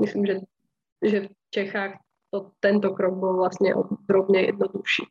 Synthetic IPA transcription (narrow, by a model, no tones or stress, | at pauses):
mɪslimʒɛ | ʒɛf | t͡ʃɛxaːx | t̪ot̪ɛnt̪okɾoɡ̚bɪlvlast̪ɲɛ̰ʔo̰d̪ɾobɲɛjɛ̰d̪̚noduʃḭː